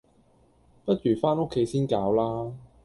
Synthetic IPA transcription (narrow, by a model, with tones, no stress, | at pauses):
pɐ˦˥t̚t͡ʃyː˨˩faː˥no˥kʰːe˨˧jsiː˥nkaː˨˧wlaː˥